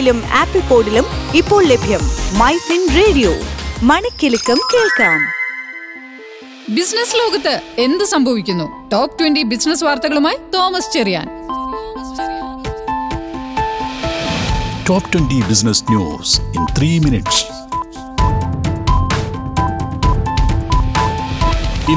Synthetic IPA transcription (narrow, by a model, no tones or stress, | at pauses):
lumaːpːipːo̞ːɖilumipːo̞ːɭlebʱjɐmːɐjsinreːɽijo̰ːmɐɳɐkʲːilukːɐmkeːɭkaːm | bisnɐslo̞ːɡɐt̪ːɨe̞nd̪ɨsɐmbʱɐʋikʲːunːu | ʈoːpʈwenɖibisnɐsʋaːrt̪ɐɣɐɭumaːjit̪o̞ːmɐst͡ɕerija̰ːn | ʈoːpʈwenɖibisnɐsnjṵːsint̪ʰriːminiʈs | i